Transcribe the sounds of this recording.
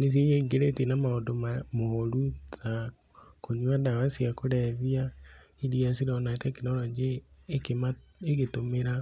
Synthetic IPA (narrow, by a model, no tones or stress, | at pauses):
nes̬ieɲeɡeɾetenamaodomamohoɾuza | koɲwadawasijakoɾɛβia | iɾiasiɾɔnaetakinɔɾɔd͡ʒekemaːɣetomeɾa